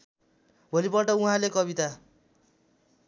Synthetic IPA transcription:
bʱolipʌʈʌũɦãlekʌbit̪a

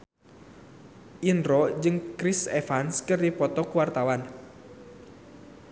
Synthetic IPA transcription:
ʔinɾɔd͡ʒɨŋkɾisɛfanskɨrdipɔt̪ɔkuwart̪awan

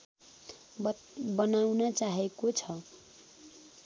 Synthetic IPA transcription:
bʌnawnʌt͡saɦekot͡sʰʌ

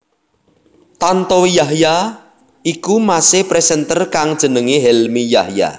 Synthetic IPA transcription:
t̪ant̪ɔwijaɦja | ikumasɪhpɾɛsɛnt̪ərkaŋd̥ʒ̥ə̤nəŋeɦɛlmijahja̰

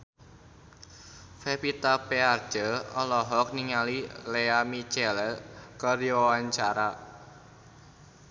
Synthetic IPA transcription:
fepit̪apeard͡ʒ̥əɔlɔɦɔk̚niŋalileamit͡ʃɛlɛlkəɾiwawaɲt͡ʃaɾa

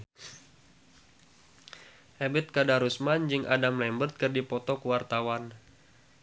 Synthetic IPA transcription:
hɛbɛt̪̚kadaɾusmand͡ʒɨŋʔa̰damlɛmbərt̪̚kɨrdipɔt̪ɔkəwart̪awan

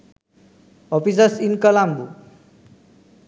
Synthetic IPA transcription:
ɔpisəsinkʌlambu

